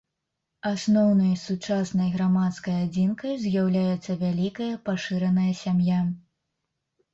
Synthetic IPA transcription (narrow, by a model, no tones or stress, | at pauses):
asnɔwnɐjsut͡ʂasnɐjɣɾamat̪skɐjad͡zʲinkɐjzʲjawlʲajɛt̪sːɐvʲalʲikɐjɐpaʂɨɾɐnɐjɐsʲamja